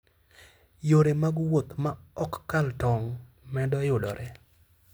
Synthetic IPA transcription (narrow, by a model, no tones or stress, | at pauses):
joɾemaɡwot̪maɔkːaltɔŋmɛdɔjʊdɔ̰ɾʔɛ